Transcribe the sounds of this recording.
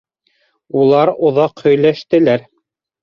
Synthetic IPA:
ulˠɑɾŏðɑqhɵ̆jlæʃt̪ɘ̆læɾ

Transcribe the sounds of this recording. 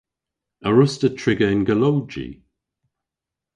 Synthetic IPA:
əɹʊstətʰɹɪɡəɪnɡəlowd͡ʒḭ

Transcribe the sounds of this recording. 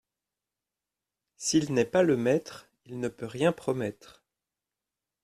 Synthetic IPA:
silnɛpaləmɛt̪χ | ilnəpøʁjɛ̃pχɔmɛt̪χ

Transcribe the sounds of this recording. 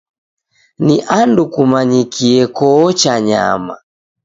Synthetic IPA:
niʔandukumaɲikiɛkɔːt͡ʃaɲa̰ma̰

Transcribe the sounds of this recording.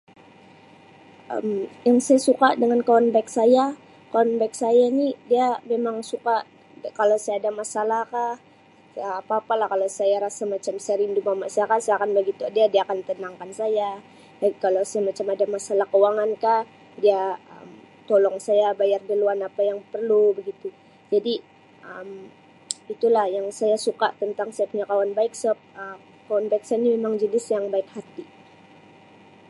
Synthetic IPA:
ʔə̰mjaŋsajasukadəŋankonbak̚saja | kɔnbajk̚sajanidiamemaŋsukaʔ | kalosajaːdamasalakah | apaːpalahkalowsajaɾasamat͡ʃamsajaɾindumamaʔsajakasajakanbəɡit̪uadiadiakant̪ənaŋkansaja | akalawsamat͡ʃamadamasalahkəwaŋanka | diaə̰m | t̪olɔŋsajabajardəluanapajaŋpərlubəɡit̪u | d͡ʒadi | ʔəm | it̪ulahjaŋsajasuka̰ʔt̪ənt̪aŋsajapuɲakawanbaɪk̚səp̚ə | kawanbaɪk̚sanimemaŋd͡ʒənɪsjaŋbaɪkhat̪i

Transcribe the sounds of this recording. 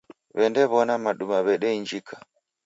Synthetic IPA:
βɛndɛβɔnamaɗumaβɛɗɛiɲd͡ʒikʰa

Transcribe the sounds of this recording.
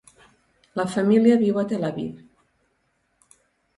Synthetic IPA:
ləfamiliaβiwat̪elaβḭð

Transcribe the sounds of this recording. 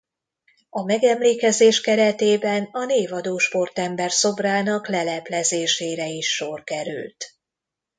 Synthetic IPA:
ɒmɛɡɛmleːkɛzeːʃkɛɾɛt̪eːbɛnɒneːvɒd̪oːʃpo̞rt̪ɛmbɛrso̞braːnɒklɛlɛplɛzeːʃeːɾɛiʃːorkɛɾy̰lt̪

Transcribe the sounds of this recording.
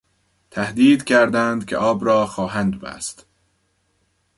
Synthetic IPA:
t̪ʰæhd̪iːd̪cʰæɾd̪ænd̪̥cʰʲḛʔɒːbɾɒːxɒːɦænd̪bæ̰st̪

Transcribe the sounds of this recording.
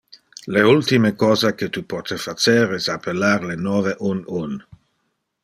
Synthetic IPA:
leult̪imekɔːzaket̪upɔt̪efat͡ʃeɾɛsapelaɾlenɔveʔunun

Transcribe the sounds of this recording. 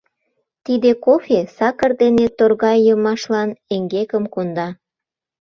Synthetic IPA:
t̪id̪ekofesɑkə̆rd̪enet̪orɣɑjːəmɑʃlɑneŋɡekəmkond̪ɑ

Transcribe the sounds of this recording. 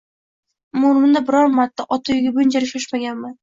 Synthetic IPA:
mʊɾmɪnd̪abɪɾɒɾmat̪ːaʔɒt̪ʰajɪɡʲɪbʊnd͡ʒaɾɪʃaʃmaɡʲanman

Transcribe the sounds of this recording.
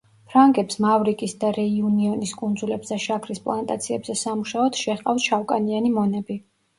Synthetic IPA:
pʰɾaŋkʼɛpsmavɾikʼisd̪aɾɛiuniɔniskʼund̪zulɛbsɛʃakʰɾispʼlˠant̪ʼa̰t̪sʰiɛbzɛsamuʃaɔd̪̥ʃɛʁqʼafsʃawkʼanianimɔnɛbi

